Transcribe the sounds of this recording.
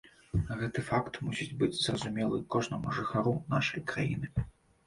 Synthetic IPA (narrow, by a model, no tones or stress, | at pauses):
ɣɛt̪ɨfakt̪musʲid͡zʲbɨd͡zʲzrɐzumʲɛlˠɨkɔʐnɐmuʐɨxaɾuna̰ʂɐjkɾajḭnɨ